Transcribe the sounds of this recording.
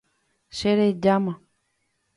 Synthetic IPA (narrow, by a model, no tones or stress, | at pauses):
ʃɛɾɛd͡ʒama